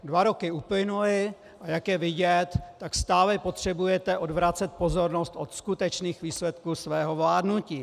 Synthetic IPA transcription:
dvaɾo̞kɪuplɪnuɪ | ʔajakjɛvɪɟɛt̪ːakst̪aːlɛpo̞t̪r̝̥ɛbujɛt̪ɛʔo̞dvɾatt͡sɛt̪̚po̞zo̞ɾnost̪ʔo̞t̪skut̪ɛt͡ʃniːxviːslɛt̪kusvɛːɦo̞vlaːdnuciː

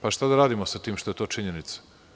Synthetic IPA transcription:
paʃt̪ad̪aɾaːd̪imosat̪iːmʃt̪oet̪o̞ːt͡ʃiɲenit̪sḁ

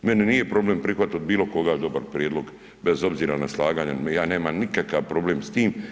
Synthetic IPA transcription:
me̞niniːje̞pɾo̞bleːmpɾixʋat̪od̪̚biːlo̞ko̞ɡaːd̪o̞baɾpɾjed̪lˠo̞ɡ | be̞zo̞bziːɾanaslˠaːɡaːɲejaːneːmamnikakaʋpɾo̞bleːmst̪iːm

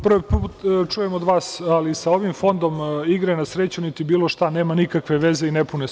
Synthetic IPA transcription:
prʋpt͡ʃujemod̪ʋaːsalisao̞ʋimfo̞nd̪o̞miɡɾaenasɾet͡ɕunit̪ibiːlˠo̞ʃt̪ane̞ːmanikakʋeʋezeinepune

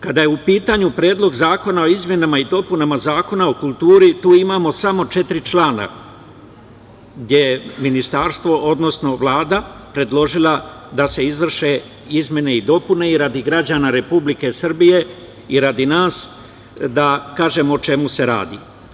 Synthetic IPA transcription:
kad̪ajeupiːt̪aɲupɾe̞ːd̪lˠo̞ɡzaːko̞nao̞izmʲje̞namaid̪o̞punamazaːko̞nao̞kulˠt̪uːɾit̪uːimaːmo̞samo̞t͡ʃe̞t̪ɾit͡ʃlaːna̰ | ɡd̪ʲje̞jeminist̪aːɾst̪ʋo̞ʔo̞d̪no̞sno̞ʋlˠaːd̪apɾe̞d̪lo̞ʒilˠad̪ase̞izʋr̩ʃe̞ | izmʲje̞ne̞id̪o̞pune̞iɾad̪iɡɾad͡ʑanaɾe̞publike̞sr̩bije̞ | iɾad̪inaːs | d̪akaːʒe̞moːt͡ʃe̞muse̞ɾa̰ːd̪ḭ

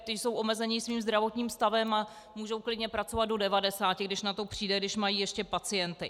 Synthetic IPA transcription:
t̪ɪso̞wʔo̞mɛzɛɲɪsviːmzd̪ɾavo̞t̪ɲiːmst̪avɛma | muːʒo̞wklɪdɲɛpɾat͡so̞vat̪̚do̞dɛvadɛsaːcɪɡdɪʃnat̪o̞pr̝̥iːdɛɡdɪʃmajiːjɛʃcɛpat͡sɪjɛnt̪ɪ

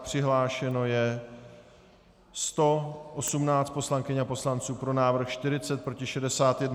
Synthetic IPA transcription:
pr̥ɪɦlaːʃɛno̞jɛ | st̪o̞ʔosumnaːt͡st̪̚po̞slaŋkɪɲapo̞slant͡suːpɾo̞naːvɾ̩xʃt̪ɪɾɪt͡sɛt̪̚pɾo̞cɪʃɛdɛsaːt̪jɛdn

